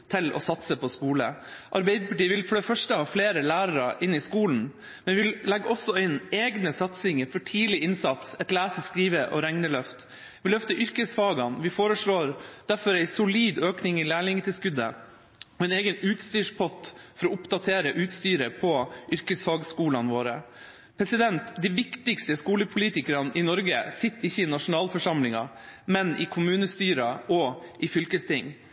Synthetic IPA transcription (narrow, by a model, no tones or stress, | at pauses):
t̪ʰɪlɔ̰sɑt̪səpʰɔskuːlə̰ʔɑɾbæɪd̪əpɑʈiːʋɪlfɔɖɛfœʂʈəhɑːfleːɾəlæːɾɑɾɑʔɪnːɪskuːln̩ | mɛnʋɪʋɪllɛɡːɔsːɔɪneːɡnəsɑt̪sɪŋəɾfɔʈʰiːlɪʔɪnsɑt̪sɛt̪læːsəskɾiːʋəʔɔ̰ɾɛŋnəlœft̪ | ʋɪlœft̪əʔʏɾkəsfɑːɡɑnʋɪfoːɾəʂɭoːɾd̪̥æɾfɔɾæɪsʊliːd̪øːknɪŋɪlæːɭɪŋət̪ɪlskʉd̪ə̰ | ɔɛneːɡənʉːt̪st̪yːʂpʰɔt̪fɔɾɔʊpd̪ɑt̪ʰeːɾəʔʉːt̪st̪yːɾəpʰɔʔʏɾkəsfɑːɡskuːlɑnʋoːɾə | pʰɾɛsɪd̪ɛnt̪d̪ɪʋɪkt̪ɪkst̪əskuːləpʰʊliːt̪ɪkəɾɑnɪnɔɾɡəsɪt̪ːɪçːəɪnɑʂʊnɑːlfɔʂɑmlɪŋɑ̰ | mɛnɪkʰʊmʉːnəst̪yːɾɑɔʔɪfʏlkəst̪ʰɪŋ